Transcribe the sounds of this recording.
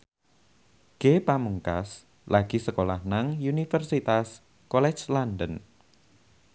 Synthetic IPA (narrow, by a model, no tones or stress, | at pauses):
ɡ̥epamuŋka̰s | laɡ̥i̤səkolahnaŋunifərsit̪as | kɔlɛ̥t͡ʃlandən